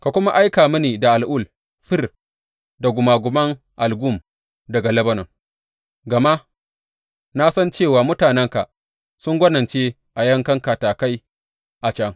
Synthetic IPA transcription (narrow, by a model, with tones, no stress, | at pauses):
ka˨kʷʊ˦ma˦ʔa˦jkaː˨mʊ˦niː˨da˨ʔa˨lʔʊ˦˨l | ɸɪ˦r | da˨ɡʷʊ˨maː˨ɡʷʊ˨mɐ˦ŋ | ʔa˨lɡu˦˨m | dɐ˨ɡa˨lɐ˦bɐ˦nɐ˨ŋ | ɡɐ˨ma˦ʔ | na˦sɐ˦nt͡ʃe˦˨waː˨mʊ˦taː˨nɛ˦ŋka˨ʔ | sʊ˦ŋɡʷɐ˦nɐ˨nt͡ʃeː˦ | ʔa˨jɐ˦ŋkɐ˦ŋka˨taː˨ka˦j | ʔa˨t͡ʃɐ˦ŋ